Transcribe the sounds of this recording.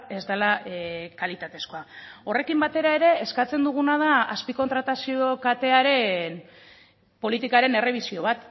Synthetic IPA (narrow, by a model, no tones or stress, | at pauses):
e̞zd̪alakalit̪at̪e̞sko̞ao̞re̞kimbat̪e̞ɾae̞ɾe̞ːskat͡se̞nd̪uɣ̞unað̞aaspiko̞nt̪ɾat̪asiokat̪e̞aɾe̞n | po̞lit̪ikaɾe̞ne̞re̞β̞isio̞βat̪